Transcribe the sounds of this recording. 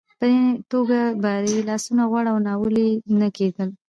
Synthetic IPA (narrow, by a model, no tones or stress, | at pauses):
pəd̪et̪oɡabɑd̪elɑsunaɣwaɽawnɑwəlenəked̪əl